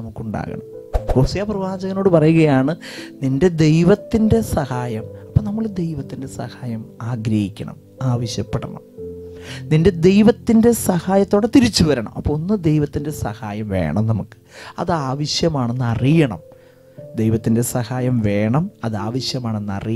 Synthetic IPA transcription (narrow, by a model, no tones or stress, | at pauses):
ɐmukːuɳɖa̰ːɣɐ̰ɳɐm | ko̞ːsɐjaprɐʋaːd͡ʑɐɣɐno̞ːɽɨpɐrɐjuɣɐjaːɳɨninde̞d̪e̞jʋɐt̪ːinde̞sɐhaːjɐmɐpːɐnɐmːɐɭd̪e̞jʋɐt̪ːinde̞sɐ̰haːjɐmaːɡɾɐhikʲːɐ̰ɳɐ̰m | aːʋɐɕjɐpːeɽɐ̰ɳɐ̰m | ninde̞d̪e̞jʋɐt̪ːinde̞sɐhaːjɐt̪ːoːɽet̪iɾit͡ɕːuʋɐɾɐɳɐ̰mʔɐpːoonːɨd̪e̞jʋɐt̪ːinde̞sɐ̰haːjɐmʋe̞̰ːɳɐmnɐmukːɨ̥ɐ̰ðɨaːʋɐɕjɐmaːɳe̞nːɨɐrijɐɳɐm | d̪ejʋɐt̪ːinde̞sɐhaːjɐmʋe̞ːɳɐmɐðɨaːʋɐɕjɐmaːɳe̞nːɨɐ̰ri